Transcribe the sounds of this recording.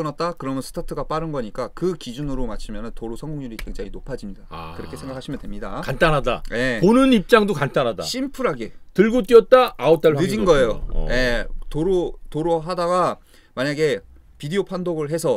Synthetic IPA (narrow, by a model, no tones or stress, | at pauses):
ʌnat̚t͈akɯɾʌmjʌnsʰɯ̥tʰatʰɯɡap͈aɾɯnɡʌɲik͈akɯkid͡ʑunɯɾomat͡ɕʰimjʌnɯntoɾusʰʌŋɡoŋɲuɾikwe̞ŋd͡ʑaŋinopʰad͡ʑimɲidakɯɾʌkʰe̞sʰe̞ŋɡakʰaɕʰimjʌndwemɲida̰kant͈anɦada̰je̞ponɯnip̚t͡ɕ͈aŋdokant͈anɦada̰ɕ͈ʰimpʰuɾɦaɡe̞tɯɭɡot̚k͈iʌt̚t͈aaot͈aɭpʰɯd͡ʑinɡʌejo̰je̞toɾotoɾoɦadaɡa | maɲaɡe̞ | pidiopʰandoɡɯɭɦe̞sʰʌ